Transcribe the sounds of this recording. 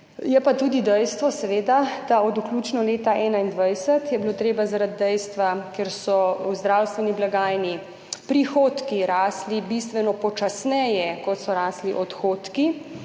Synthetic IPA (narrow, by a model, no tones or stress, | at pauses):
jɛpat̪uːd̪id̪ɛjst̪ʋɔsɛʋeːd̪ad̪̥aɔd̪ukluːt͡ʃnɔleːt̪aʔɛːnaind̪ʋajsət̪jɛbiloːt̪ɾeːbazaɾad̪ːɛjst̪ʋakeɾsɔwzd̪ɾawst̪ʋɛniblaɡaːjni | pɾixoːt̪kiɾaːslibist̪ʋɛnɔpɔt͡ʃasnɛjɛkɔt̪sɔɾaːsliʔɔt̪xot̪ki